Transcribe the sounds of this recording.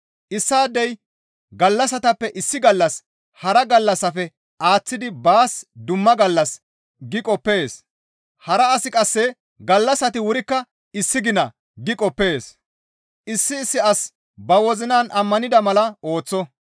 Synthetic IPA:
ʔɪsːaːd̪ːɛj | ɡɐlːɐs̬ɐt̪ɐpːɛʔɪsːɪɡɐlːɐs | hɐɾɐɡɐlːɐsɐfɛ | ʔaːt͡sːɪd̪ɪbaːsd̪ʊmːɐɡɐlːɐs | ɡɪkʼɔpːe̞ːs | hɐɾɐːsɪkʼɐsːɛ | ɡɐlːɐsɐt̪ɪwʊɾɪkːɐ | ɪsːɪɡɪnɐ | ɡɪkʼɔpːe̞ːs | ʔɪsːɪːsːɪɐs | bɐwɔzɪnaːnʔɐmːɐnɪd̪ɐmɐlɐo̞ːt͡sːɔ

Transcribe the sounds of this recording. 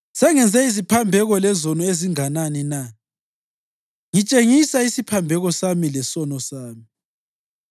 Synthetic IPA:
sɛŋɛnd͡zʱɛizipʰambʱɛɣɔlɛzɔnɔeziŋananina | ŋit͡ʃʼeŋisaisipʰambʱɛɣɔsamilɛsɔnɔsaːmi

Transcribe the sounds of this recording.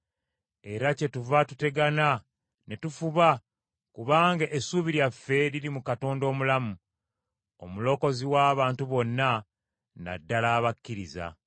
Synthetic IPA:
e̞ɾace̞tuvatute̞ɡana | ne̞tufuβa | kuβaːŋɡaʔesuβiɾjafːe̞ɾiɾimukato̞ːndo̞ːmulamu | o̞mulo̞ko̞ziwaːβaːntuβo̞nːa | na̰dːalaːβakːiɾiza̰

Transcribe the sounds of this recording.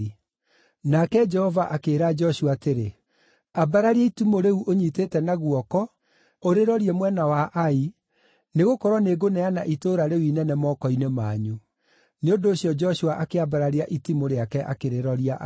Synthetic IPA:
nakɛd͡ʒɛhɔvaʔakeːɾad͡ʒɔʃuwaːteɾe | abaɾaɾiaitumoɾeuʔoɲitetɛnaɣwɔkɔ | oɾeɾɔɾiɛmwɛnawaʔai | neɣokɔɾwɔneɡonɛanaʔitoɾaɾewinɛnɛmɔkɔinemaːɲu | neondoːɕiɔd͡ʒɔʃuaʔakeabaɾaɾeaʔitimoɾeakɛʔa̰keɾeɾɔɾiaʔ

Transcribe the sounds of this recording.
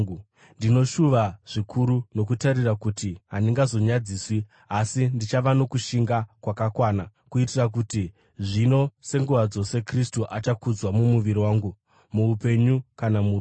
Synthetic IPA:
ndino̞ʃuʋaʐ̥ikʰuɾuno̞kutaɾirakutiɦaniŋɡazo̞ɲad͡ziːswi | asindit͡ʃaʋano̞kuʃiŋɡakwakakwaːna | kuitirak̬uti | ʐino̞se̞ŋɡuʋad͡zo̞se̞kristuʔat͡ʃakud͡zwamumuʋiɾiwaːŋɡu | muːpe̞ɲukanamu

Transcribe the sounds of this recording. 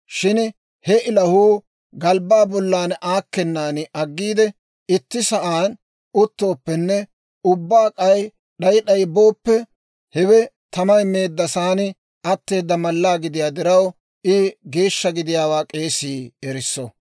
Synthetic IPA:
ʃɪn | hɛʔɪlɐhuː | ɡɐlbaːbɔlːaːnʔaːkːɛnːaːnɪʔɐɡːiːd̪ɛ | ɪt̪ːɪsɐʔaːn | ʊt̪ːo̞ːpːɛnːɛ | ʊbːaːkʼɐj | ɗɐjɗɐjbo̞ːpːɛ | hɛwɛ | t̪ɐmɐjme̞ːd̪ːɐsaːnɪ | ʔɐt̪ːe̞ːd̪ːɐmɐlːaːɡɪd̪ɪjaːd̪ɪɾɐw | ɪɡe̞ːʃːɐɡɪd̪ɪjaːwaːkʼe̞ːsiːɛɾɪsːɔ

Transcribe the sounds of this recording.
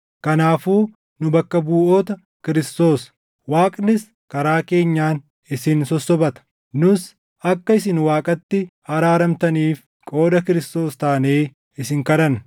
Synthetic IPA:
kɐnaːfuː | nʊbɐkːɐbuːʔoːt̪ɐ | kɪɾɪst̪o̞ːs | waːkʼnɪs | kɐɾaːke̞ːɲːaːn | ɪsɪnsɔsːɔbɐt̪ɐ̥ | nʊs | ɐkːɐɪsɪnwaːkʼɐt̪ːɪhɐɾaːɾɐmt̪ɐniːf | kʼo̞ːd̪ɐkɪɾɪst̪o̞ːst̪aːneː | ɪsɪŋkɐlɐn

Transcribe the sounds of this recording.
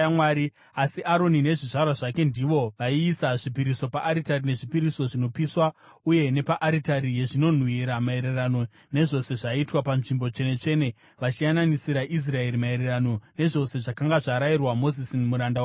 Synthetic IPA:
mwaːɾi | asiʔaɾo̞nine̞ʐiʐarwaʐake̞ndiʋo̞ʋaiːsaʐipiɾiso̞paʔːɾitarine̞ʐipiɾiso̞ʐino̞piswa | uje̞ne̞paʔaɾitaɾije̞ʐino̞n̤wiɾamae̞ɾerano̞ | ne̞ʐo̞se̞ʐaitwapanʐimbo̞t͡ʃe̞ne̞t͡ʃe̞ːne̞ | ʋat͡ʃiananisiɾaʔis̬rae̞ɾimaeɾerano̞ne̞ʐo̞se̞ʐakaŋɡaʐaɾairwamo̞zisinmuɾanda

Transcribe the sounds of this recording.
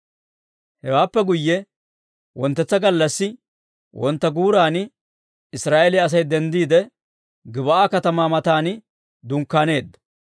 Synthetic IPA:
hɛwaːpːɛɡʊjːɛ | wɔnt̪ːɛt͡sːɐɡɐlːɐsːɪ | wʔɔnt̪ːɐɡuːɾaːn | ɪsɾaːʔelɛɐs̬ɐjd̪ɛnd̪iːd̪ɛ | ɡɪbɐʔaːkɐt̪ɐmaːmɐt̪aːn | d̪ʊŋkːaːne̞ːd̪ːɐ̥

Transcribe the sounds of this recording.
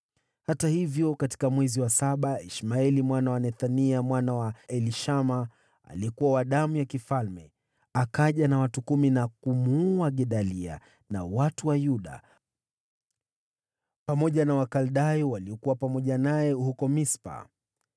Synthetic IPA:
hatahivjɔkati̥kamwɛziwasaɓaiʃmaɛlimwanawanɛθaniamwanawaɛliʃama | a̰liɛkuwawaɗamujakifalmɛ | akaʄanawatukuminakumuaɠɛɗalia̰ | na̰watuwajuɗa̰ | pamɔʄanawakalɗajɔwaliɔkuwapamɔʄanajɛhukɔmispa̰

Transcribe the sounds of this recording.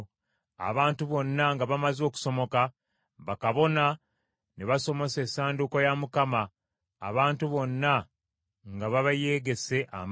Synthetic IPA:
a̰βaːntuβo̞nːaŋɡaβamazo̞ːku̥so̞mo̞ka | βakaβo̞na | neβaso̞mo̞se̞saːnduko̞jamukama̰ː | βaːntuβo̞nːa | ŋɡaβaβaje̞ːɡe̞se̞ʔa̰m

